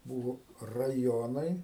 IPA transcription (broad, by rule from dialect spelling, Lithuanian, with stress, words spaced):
ˈbuːʋoː rɐˈjoːnɐɪ